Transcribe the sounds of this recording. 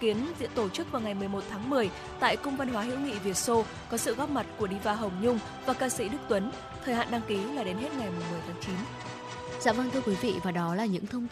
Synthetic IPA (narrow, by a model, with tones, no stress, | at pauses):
ki˨˦ənzḭ˧˥ənt̪o˧˩t͡ɕɨ˦˥k̚vaː˨˩wŋa˨˩jmɨ˨˩əjmo˨˩t̚t̪ʰaː˨˦ŋmɨ˨˩əj | t̪a̰ː˧˨jkʊ˧ŋ͡mvə˧nɦwaː˨˦ɦḭ˧˥wŋ͡mŋḭ˧˨vi˨˩ət̚so˧ | kɔ˨˦sɨ̰˧˨ɣɔ˦˥p̚ma˨˩t̚ku˧˩əɗi˧vaː˧ɦə˨˩wŋ͡mɲʊ˧ŋ͡m | vaː˨˩kaː˧sḭ˧˥ɗɨ˦˥k̚t̪wə˨˦n | t̪ʰəː˨˩jɦa̰ː˧˨nɗa˧ŋki˨˦laː˨˩ɗe˨˦nɦe˦˥t̚ŋa˨˩jmu˨˩əjmɨ˨˩əjt̪ʰaː˨˦ŋt͡ɕi˨˦n | za̰ː˧˥wɓaː˧ŋt̪ʰɨ˧əkwi˨˦vḭ˧˨vaː˨˩ɗɔ˨˦laː˨˩ɲɨ̰˧˥ŋt̪ʰə˧wŋ͡mt̪